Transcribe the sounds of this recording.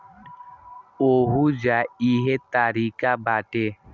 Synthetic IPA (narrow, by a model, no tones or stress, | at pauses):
oːɦud͡ʒaiːɦet̪aːɾiːkabaːʈe